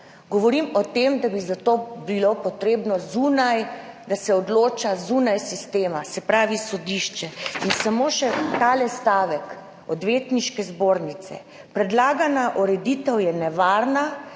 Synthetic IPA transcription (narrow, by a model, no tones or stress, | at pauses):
ɡɔʋɔɾimɔt̪emd̪abizat̪oːbilopɔt̪ɾeːbnɔzunajd̪asɛɔd̪loːt͡ʃazunajsist̪eːmasɛpɾaːʋisɔd̪iʃt͡ʃɛinsamoːʃɛt̪aːlɛst̪aːʋɛk | ɔd̪ʋeːt̪niʃkɛzboːɾnit̪sɛ̰ | pɾɛd̪laːɡanaʔɔɾɛd̪it̪ɛwjɛnɛʋaːɾna